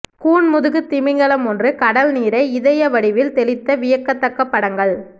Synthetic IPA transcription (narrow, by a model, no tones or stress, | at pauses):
kuːɳmʊðɯɣɯt̪ːɪmɪŋɡɐɭɐmɔndrɯkɐɽɐlniːɾɐɪɪðɐjɐʋɐɽɪʋɪlt̪ɛlɪt̪ːɐʋɪjɐkːɐt̪ːɐkːɐpːɐɽɐŋɡɐɭ